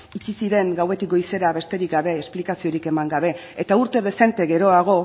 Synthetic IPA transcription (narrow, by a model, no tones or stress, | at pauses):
it͡ʃisiɾe̞ŋɡawe̞t̪ik̚ɡo̞jse̞ɾaβe̞st̪e̞ɾik̚ɡaβe̞ːsplikasio̞ɾike̞maŋɡaβ̞e̞et̪auɾt̪e̞ð̞e̞se̞nt̪e̞ɣe̞ɾo̞aɣ̞o̞